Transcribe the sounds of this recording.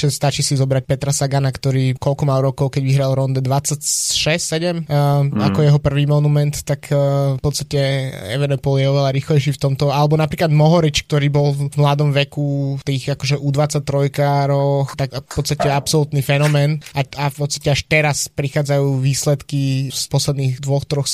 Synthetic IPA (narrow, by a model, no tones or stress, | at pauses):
st̪at͡ʃiːsizɔbɾac̚pɛt̪ɾasaɡanakt̪ɔɾiːkɔlkɔmalɾɔkɔʊkɛɟʋiɦɾalɾɔnd̪ɛd̪ʋat͡sːacʃɛssɛɟɛmakɔjɛɦɔpr̩ʋiːmɔnumɛnt̪ːakʰːfpɔt̪st̪acɛɛ̰ʋɛnɛpɔljɛɔʋɛlaɾiːxlɛjʃiːft̪ɔmt̪ɔalɛbɔnapɾiklad̪mɔɦɔɾit͡ʃk̚t̪ɔɾiːbɔlvmlad̪ɔmʋɛkut̪iːxakɔʒɛʔud̪ʋat͡sac̚t̪ɾɔjkaːɾɔxt̪akfpɔt̪st̪acɛapsɔlut̪nifɛnɔmɛːnaafpɔt̪st̪ḁcɛaʃt̪ɛɾaspɾixaːd͡zajuːʋiːslɛt̪kispɔslɛd̪niːɣd̪ʋɔxt̪ɾɔx